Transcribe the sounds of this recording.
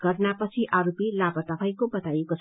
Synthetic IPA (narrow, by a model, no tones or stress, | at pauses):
ɡ̥ʌrnapʌt͡sʰiʔaɾopilabʌt̪ʌpʰajkobʌt̪ajekot͡sʰ